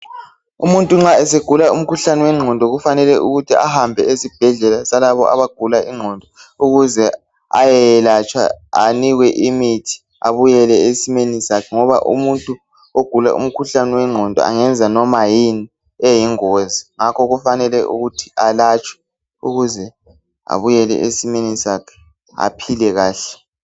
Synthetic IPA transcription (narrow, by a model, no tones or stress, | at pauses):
umuntʼuŋ͡ǁaɛseɡ̥ʱulaum̩kʰuɬaniwɛŋ͡ǁʱɔndʱɔɣufanɛlɛʔuɣutʰia̰hambʱɛesib̥ʱɛɮɛlasalaβɔ̰ʔa̰βaɡ̥ʱulaʔiŋ͡ǀʱɔndʱɔuɣuzɛ | a̰jɛjɛlat͡ʃʼwa̰aniɣwɛʔimitʰi̥ | aβujɛlɛesimenisakʰɛŋɔβa̰ʔṵmuntʼu | oɡ̥ʱula̰ʔṵm̩kʰuɬanɛwɛŋ͡ǃʱɔndʱɔ̰a̰ŋɛnd͡zʱanɔmajini | ɛjiŋoziŋakʰɔɣufanɛlɛʔṵɣutʰi̥alat͡ʃʼwɛ̥ | uɣuzɛ | a̰βujɛlɛ̰ʔesimenisakʰɛ̥ | a̰pʰilɛɣaːɬɛ̥